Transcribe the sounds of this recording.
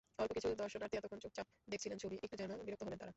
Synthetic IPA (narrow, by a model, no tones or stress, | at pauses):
ɔlpokit͡ɕʰud̪ɔɾʃonaɾt̪ʰiɛt̪okʰːont͡ɕok̚t͡ɕap̚ | d̪ek̚ʰt͡ɕʰilent͡ɕʰobiʔek̚ʈud͡ʑɛnobiɾot̪oɦolent̪aɾa